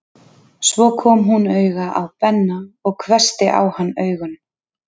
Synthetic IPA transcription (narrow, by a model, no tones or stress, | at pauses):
svɔkʰɔːmɦunœːɥɣaʔawpɛnːaɔɣkʰvɛr̥st̪ɪʔa̰whanːœːɥɣʏn